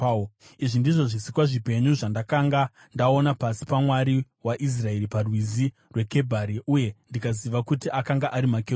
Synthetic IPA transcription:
iʐindiʐo̞ʐisikwaʐipe̞ɲuʐandakaŋɡa | ndao̞napasi̥pamwaɾi | waʔis̬rae̞ɾiparwizi | rwe̞ke̞bʱaɾiuje̞ndikaziʋakutiʔakaŋɡaʔaɾimakeu

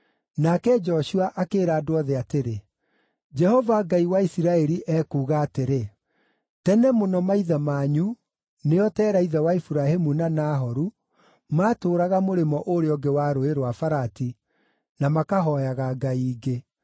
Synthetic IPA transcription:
nakɛd͡ʒɔɕuaʔakeːɾaːdoɔðɛateɾe | d͡ʒɛhɔvaɡaiwaisiɾaɛɾiʔɛkuːɣaːteɾe | tɛnɛmonɔmaiðamaːɲu | neɔtɛːɾaiðɛwaifuɾahemunanaːɦɔɾu | maːtoːɾaɣamoɾemɔʔoɾeɔɡewaːɾoeɾwafaɾati | namakaɦɔjaɣaɡaiːɡe

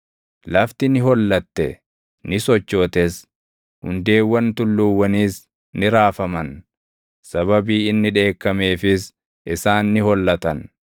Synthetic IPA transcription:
lɐft̪ɪnɪɦɔlːɐt̪ːɛ | nɪsɔt͡ʃːoːt̪ɛs | hʊ̰nd̪e̞ːwːɐnt̪ʊlːuːwːɐniːs | nɪɾaːfɐmɐn | sɐβɐbiːɪnːɪᶑe̞ːkːɐme̞ːfɪs | ɪsaːnːɪhɔlːɐt̪ɐn

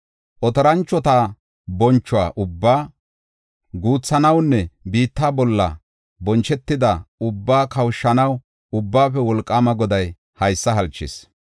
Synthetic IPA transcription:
ʔɔt̪ɔɾɐnt͡ʃːɔt̪a | bɔnt͡ʃːʊwa̰ːʔʊbːaː | ɡuːt͡sːɐnɐwnːɛbiːt̪ːaːbɔlːɐ̰ | bɔnt͡ʃɛt̪ːɪd̪ɐʊbːaːkɐwʃːɐnɐw | ʊbːaːpɛwɔlkʼːaːmɐɡɔd̪ɐj | hɐjsːɐɦɐlt͡ʃːɪ̰s

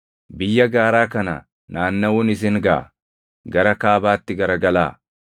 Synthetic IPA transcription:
bɪjːɐɡaːɾaːkɐnɐ̰ | naːnːɐwʊnɪs̬ɪŋɡɐʔɐ̰ | ɡɐɾɐkaːbaːt̪ːɪɡɐɾɐɡɐlaː

